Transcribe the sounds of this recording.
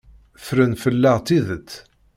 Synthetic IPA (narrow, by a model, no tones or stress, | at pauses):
fɾənfəlːæʁt̪iðət̪ː